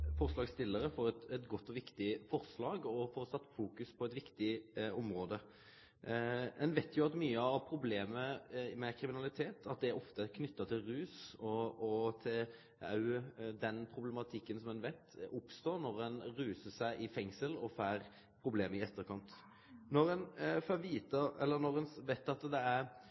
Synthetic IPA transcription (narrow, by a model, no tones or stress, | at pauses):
fɔʁslɑːɡst̪ɪlːəɾəfɔɾɛt̪ɛt̪ɡɔt̪ːɔʋɪkt̪ɪfɔɾslɑːɡɔfɔːɾsɑt̪ːfuːkʉspʰɔɛt̪ʋɪkt̪ɪɔmɾoːd̪ə | ɛnʋeɪt̪ʰjʊɑt̪myːəɑʋpʰɾʊbleːməmɛkʰɾɪmɪnɑlɪt̪ʰeːt̪ʰɑt̪̚d̪ɛɾɔft̪əkʰnʏt̪ːɑt̪ʰɪlɾʉːsɔɔt̪ʰɪl | ɑ̰ʉd̪ɛnpʰɾʊblɛmɑt̪ʰɪkːənsɔmɛnʋɛɪt̪ʊpst̪oːnɔɾɛnɾʉːsəsæɪʔɪfɛŋsəlɔfæːɾ | pʰɾʊbleːməɪɛt̪ːəɾkʰɑnt̪ | nɔɾɛnføʋiːt̪əɛ̰lːənɔɾɛnʋɛɪt̪ːɑt̪d̪ɛæɾ